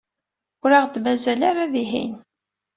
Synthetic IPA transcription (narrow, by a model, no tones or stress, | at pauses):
ɾaʁt̪mæzælaɾaðiɦḭn